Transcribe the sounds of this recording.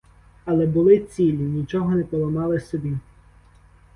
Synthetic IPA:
ɐlˠɛbʊlˠɪt͡sʲilʲinʲit͡ʃɔɦɔnɛpɔlˠɔmɑlˠɪsɔbʲi

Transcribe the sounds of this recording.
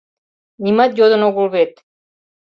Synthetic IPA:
nimat̪jod̪onoɣulβet̪̚

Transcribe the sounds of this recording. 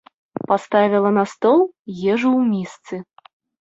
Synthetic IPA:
past̪avʲilˠɐnɐst̪ɔlˠjɛʐuwmʲist̪sɨ

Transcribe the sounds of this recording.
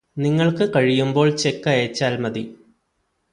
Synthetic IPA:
niŋːɐɭkɨkɐɻijumbo̞ːɭt͡ɕekːɐeːt͡ɕːaːlmɐði

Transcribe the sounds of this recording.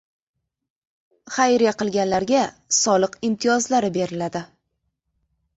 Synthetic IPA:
χajɾijaqɨlˠɡʲanlaɾɡʲa | sɒlˠɨqɪmt̪ʰijɒzlaɾɪbe̞ɾɪlad̪ɪ

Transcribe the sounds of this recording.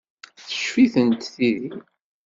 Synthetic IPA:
θə̥ʃfiθənt̪θiði

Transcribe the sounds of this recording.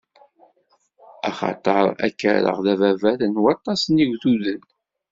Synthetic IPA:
ɑχɑ̰t̪ˤəɾˤæ̰kːəɾə̰ʁðævævælənwɑt̪ˤːɑsniʝθuðən

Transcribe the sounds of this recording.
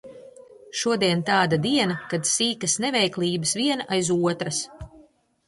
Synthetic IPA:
ʃuɔd̪iɛnt̪aːd̪ad̪iɛnakad̪siːkɐsnɛvɛjklˠiːbɨsviɛnaʔajzuɔt̪ɾɐs

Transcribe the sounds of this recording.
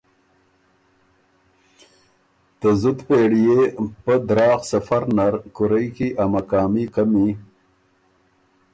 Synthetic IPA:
t̪əzut̪peːɽijepəd̪ɾɑːxsafaɾnaɾkʊɾəjkiʔamakɑːmikami

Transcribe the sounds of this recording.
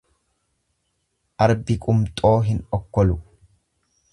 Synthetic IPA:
ʔɐɾbɪkʼʊmt̪ʼo̞ːɦɪnɔkːɔlʊ

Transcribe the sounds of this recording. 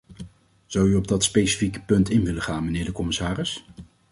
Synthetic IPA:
z̥ʌwyɔb̚dɑtspejsi̥fikə̥pɵntɪnʋɪləχaːnmənɪːɹdəkɔmɪsaːrɪs

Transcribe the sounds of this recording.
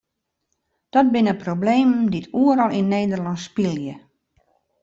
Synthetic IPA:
d̥ɔt̚bɪnəprobleːmditʰuəɾɔlˠinneːdərlɔnspilˠjə

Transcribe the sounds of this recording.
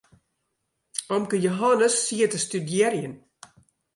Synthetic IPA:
ɔmkəjoɦɔnəsːiətəstydjɛrjən

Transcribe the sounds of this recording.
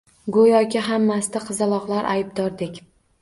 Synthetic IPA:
ɡojɒkʲɪɦamːasɪd̪aqʰɨzalˠɒqlˠaɾʔajbd̪ɒɾd̪ɪkʲ

